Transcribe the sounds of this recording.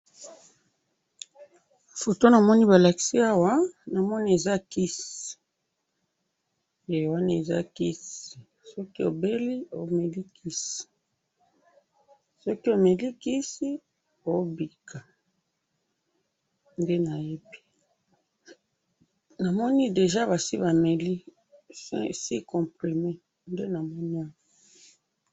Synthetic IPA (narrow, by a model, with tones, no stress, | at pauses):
fo˨to˦na˨mɔ˦ni˦ba˨la˨ki̥˨si˦a˦wa˦na˨mɔ˦ni˦e˨za˦ki˦si̥˨ | je˨wa˦na˨e˨za̰˦ki˦si˨ | sɔ˦ki˦o˨be˦li˦o˨me˨li˦kʰi˦si̥˨ | sɔ˦ki˦o˨me˨li˦ki˦si˦ | o˦bi˨ka˨ | nde˦na˨je˦pi̥˦ | na˨mɔ˦ni˦de˨ʒa˦βa˨si˦βa˨me˨li˦ | si˦kɔ̃˨pʁi˨me˦ | nde˦na˨mɔ˦ni˦a˨wɔ˨